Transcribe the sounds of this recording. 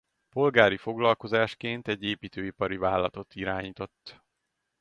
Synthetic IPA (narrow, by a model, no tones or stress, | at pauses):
po̞lɡaːɾifo̞ɡlɒlko̞zaːʃkeːnt̪ɛɟːeːpiːt̪øːipɒɾivaːlːɒt̪o̞t̪iɾaːɲiːt̪o̞t̪ː